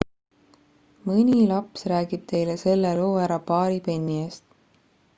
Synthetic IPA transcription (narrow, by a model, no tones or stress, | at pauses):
mɨnʲilɑpsræːɡ̥ib̥̚t̪ʰe̞jlese̞lːeloːæɾɑpɑːɾipe̞nʲːiest̪